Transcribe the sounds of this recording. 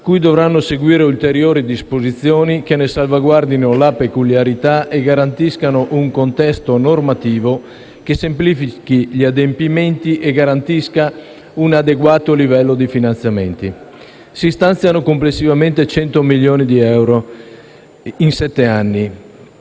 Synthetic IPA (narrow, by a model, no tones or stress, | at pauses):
kujd̪ovɾanːoseɡwiːɾeult̪eɾjoːɾid̪ispozit̪sːjoːnikenesalvaɡward̪inolapekuljaɾit̪aeɡaɾant̪iskanoʔuŋkont̪ɛst̪onormat̪iːvo | kesemplifikiʎiad̪empiment̪iʔeɡaɾant̪iska | unad̪eɡwaːt̪olivɛlːod̪ifinant̪sjament̪i | sist̪ant̪sjanokomplesːivament̪et͡ʃɛnt̪omiʎːoːnid̪iɛwɾo | insɛt̪ːeanːi